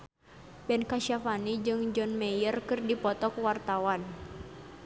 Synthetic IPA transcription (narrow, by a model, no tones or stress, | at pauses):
bɛnkaʃafanid͡ʒɨŋd͡ʒɔnmɛjərkɨrdipɔt̪ɔkwart̪awan